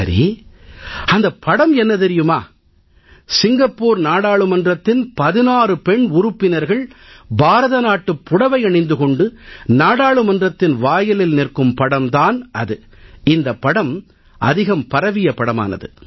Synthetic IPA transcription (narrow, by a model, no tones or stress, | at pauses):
ɐɾḭ | ɐnd̪ɐpːɐɽɐmɛnːɐt̪ɛɾɪjɯmaː | sɪŋɡɐpːoːɾnaːɽaːɭɯmɐndrɐt̪ːɪnpɐðɪnaːɾɯpɛɳʊɾʊpːɪnɐɾɣɐɭbaːɾɐðɐnaːʈːɯpːʊɽɐʋɐɪɐɳɐɪnd̪ɯkɔɳɖɯnaːɽaːɭɯmɐndrɐt̪ːɪnʋaːjɐlɪlnɪrkɯmpɐɽɐmd̪aːnɐðɯ | ɪnd̪ɐpːɐɽɐm | ʔɐ̰ðɪɣɐmpɐɾɐʋɪjɐpɐɽɐma̰ːnɐ̰ðɯ̰